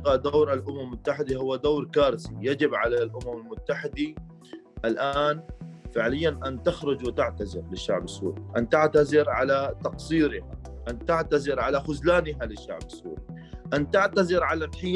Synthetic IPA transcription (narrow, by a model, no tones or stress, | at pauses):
ad̪aːɾalʔʊmammːʊt̪ːaħɪd̪ahʊwːad̪aːɾkaːɾˤɪsḭjad͡ʒɪbʕalalʔʊmamɪlmʊt̪ːaħɪd̪i | ʔɪlʔaːnfɪʕlɪjːanʔant̪axɾʊd͡ʒwɪt̪aʕt̪azɪɾlɪʃːaʕbɪsːṵːɾiʔant̪aʕt̪azɪɾʕalat̪ɑqsˤiːɾɪha | ʔant̪aʕt̪azɪɾʕalaxʊzlaːnɪɦalɪʃːa̰ʕbɪsːṵːɾi | ʔant̪aʕt̪azɪɾʕalatħɪjː